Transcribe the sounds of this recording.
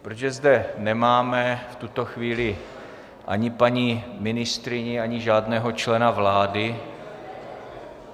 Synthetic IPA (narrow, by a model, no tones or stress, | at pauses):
pɾod͡ʒʒɛzdɛnɛmaːmɛft̪ut̪o̞xviːlɪ | ʔa̰ɲɪpaɲimɪnɪst̪ɾɪɲɛaɲɪʒaːdnɛːɦo̞t͡ʃlɛnavlaːdɪ